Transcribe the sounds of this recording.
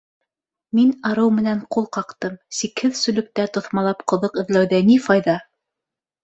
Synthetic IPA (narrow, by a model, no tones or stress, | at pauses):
minɑɾɤwmɘ̆næɴqulˠqɑqt̪ɤmsikhɘðsɵ̆lɵ̆k̚t̪æt̪ŏθmɑlˠɑpqŏðoqɘ̆ðlæwðænifɑjðɑ